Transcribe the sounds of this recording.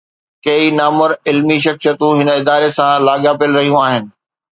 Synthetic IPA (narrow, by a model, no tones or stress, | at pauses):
kɐinaːmʊɾɪlmiʃ̬ɐksijət̪ũɦɪnəɪd̪aːɾesãlaːɠapiəlɾɐɦijũaːɦɪnɪ̆